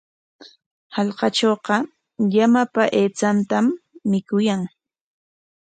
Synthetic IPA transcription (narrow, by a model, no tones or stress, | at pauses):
hɑʎqɑt͡ʃoːqɑ | jamapaʔeːt͡sant̪amːɪkʊjaŋ